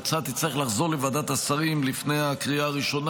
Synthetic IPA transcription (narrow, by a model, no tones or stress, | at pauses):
t͡sat̪it͡saiχlaχzo̞ʁlevad̪at̪asaʁimlifne̞jakʁiaːʁiʃo̞n